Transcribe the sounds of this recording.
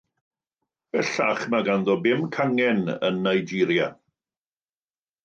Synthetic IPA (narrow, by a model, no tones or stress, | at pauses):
b̥ɛɬa̰χmaɡanðɔbɪmkʰaŋɛnə̰nːajd͡ʒiɾja